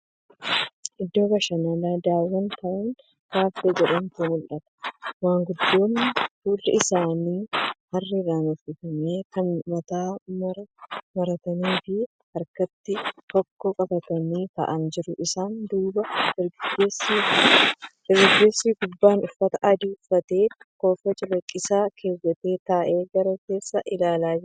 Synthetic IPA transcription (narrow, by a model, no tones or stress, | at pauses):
ʔɪd̪ːo̞ːbɐʃɐnɐlaːd̪aːwːɐnt̪ɐʔeːn | kaːfd̪ed͡ʒɛᶑɐnt̪uːmʊlʔɐt̪ɐ̥maːŋɡʊd̪ːo̞ːnːɪfuːlːɐɪsaːniːhɐrːiɾaːnʊfɪfɐmeːkɐnmɐt̪aːmɐɾmɐɾɐt̪ɐniːfi | hɐɾkɐt̪ːɪt̪ɔkːɔkʼɐbɐt̪ɐniːt̪ɐ̰ʔɐnd͡ʒɪɾʊʔɪsaːnd̪uːbɐɪɾɡɡeːsːiː | ɪɾɡɪɡeːsːiːɡʊbːaːnʊfːɐt̪ɐʔɐd̪iʊfːɐt̪e̞ːko̞ːfɐt͡ʃʼɪlɐkʼːɪsaːkʰe̞ːzːɐt̪e̞ːt̪aːʔe̞ːɡɐɾɐke̞ːsːɐʔɪlaːlaːd͡ʒɪɾ